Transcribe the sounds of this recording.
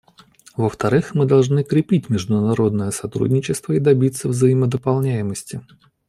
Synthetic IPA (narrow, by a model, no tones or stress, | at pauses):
vəft̪ɐɾɨxmɨd̪ɐlˠʐnɨkɾʲɪpʲitʲmʲɪʐd̪ʊnɐɾo̞d̪nəjəsɐt̪ɾṵdʲnʲɪt͡ɕɪst̪vəid̪ɐbʲit̪səvzəjɪməd̪əpɐlˠnʲæjɪməsʲtʲɪ